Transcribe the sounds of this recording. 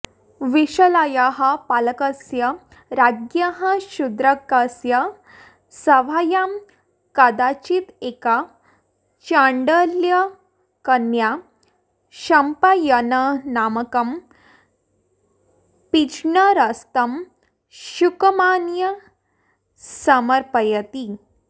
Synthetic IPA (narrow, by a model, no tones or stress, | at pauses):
ʋiɕəlajaɦɐpaləkəsjɐ | ɾaɡjaɦə̃ɕud̪ɾəkːəsjə | səʋajam | kad̪at͡ɕit̪eka | t͡ɕaɳɖəljə | kənja | ɕɐmpajənənaməkɐm | pid͡ʒɳəɾəst̪əm | ɕukmanjə | səməɾpəjət̪i